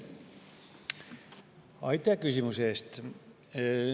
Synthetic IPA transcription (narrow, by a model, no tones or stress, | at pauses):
ɑjt̪ˑɑkysimuseːst̪